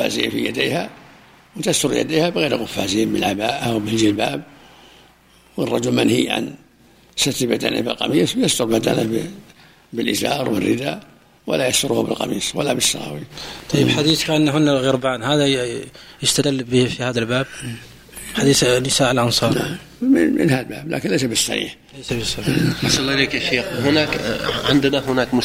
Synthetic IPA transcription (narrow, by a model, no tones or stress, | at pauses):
fa̰ːzḭːnfijad̪eːha | wt̪ast̪ʊɾja̰d̪iːhabɣeːɾɣʊfːa̰ːziːnmɪnlʕabaːʔawmɪld͡ʒilbaːb̚ | wərˤːɑd͡ʒʊlmanhiːʕa̰n | sat̪bad̪a̰nʔa̰bɪ̰lqɑ̰miːsˤwjast̪ʊɾˤbad̪a̰nab | bɪlʔɪzɑːɾˤwɪrːɪd̪a | walajast̪ʊɾˤʊhbɪlqɑ̰miːswalːabɪsːɑɣɑ̰ːwit̪ˤɑjːəbħad̪iːθkaʔanːɦʊnːaɣɪɾbaːnhaːd̪a | jəst̪ad̪əlːbəhfihaːd̪albaːb̚ | ħad̪iːθnɪsaːʔəlʔɑnsˤɑːɾa | mɪnmɪ̰nhalba̰ːbla̰ːkɪnlajs̬abɪsːa̰nḭːħlajsabɪsːɑmiʔɑsɑlːɑʔleːkjaʃeːxɦʊnakʕɪnd̪nahʊnaːkmʊ